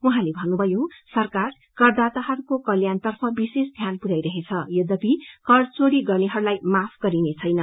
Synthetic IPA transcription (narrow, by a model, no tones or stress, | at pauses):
uɦãlebʱʌnːubʱʌjosʌrkar | kʌrd̪at̪aɦʌɾukokʌljant̪ʌrpʰʌbisesd̪ʱjanpuɾajɾʌɦet͡sʰʌjod̪ʌbikʌrt͡soɾiɡʌrneɦʌɾulajmapʰɡ̥ʌɾinet͡sʰʌjnʌ